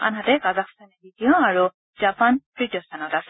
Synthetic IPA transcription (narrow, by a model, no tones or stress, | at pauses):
a̰nɦatɛkazakstanɛbidijɔaɹu | z̥apanpɹitjɔstʰanɔtasɛ